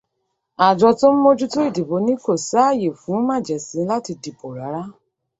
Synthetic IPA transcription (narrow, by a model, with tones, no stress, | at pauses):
a˨d͡ʒɔ˧to˦m̩˦mo˦d͡ʒu˦to˦i˦˨di˨bo˨˧˦nĩ˦ko˦˨sa˦a˦˨je˨fũ˨˦mã˦˨d͡ʒɛ˨sĩ˨˦la˦ti˧di˨po˨ɾa˨˦ɾa˦